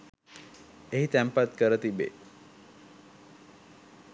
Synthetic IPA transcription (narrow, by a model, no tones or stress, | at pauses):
eɦit̪æmpat̪kəɾət̪ibḛ